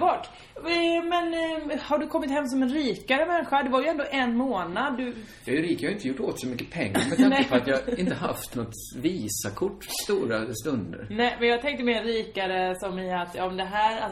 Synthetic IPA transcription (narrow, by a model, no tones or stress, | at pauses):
bɑːʈ | mɛnhaɖɵkʰɔmːɪt̪hɛmːs̬ɔmɛnɾiːkaɾəmɛnːɧaɖ̪ɛvaɾjɵɛnd̪oːʔɛnːmoːnad̪ːɵ | jɑjʉɾiːkaaɾʏɪnt̪əjʊʈːoːt̪sɔmʏkːəpʰɛŋːa̰ɾmɛt̪ankːəpʰɔat̪jɑhɪnt̪əɦa̰ft̪nɔt̪ | viːsakʰʊʈːst̪uːɾast̪ɵnd̪ə̰ɾnɛmɛnjɑɡt̪ʰɛŋk̚t̪əmɛɾiːkaɾəsɔmɪat̪jɑːɔmd̪ɛɦæːɾa